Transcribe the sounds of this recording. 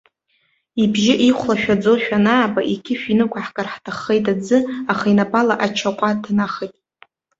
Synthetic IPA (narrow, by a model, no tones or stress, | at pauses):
ibʒɪʔiχʷlaʃᶣad͡zoʃᶣanaːbaʔikʲʰɪʃᶣinɨkʷʰaħkʼarħtʰaχejtʼad͡zɨaχainapʼalaʔat͡ʃʰaqʷʼadʰnaχejtʼ